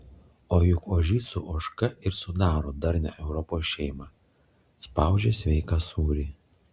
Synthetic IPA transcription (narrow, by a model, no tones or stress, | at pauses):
oːjʊkoːʒʲiːsʊʔoːʃkɐɪɾsʊd̪ɑːɾoːd̪ɐɾʲnʲɛ̰ʔɛʊɾɔpoːsʃʲɛɪmɑ | spɑˑʊd͡ʒʲeːsʲʋʲɛɪkɑːsuːɾʲiː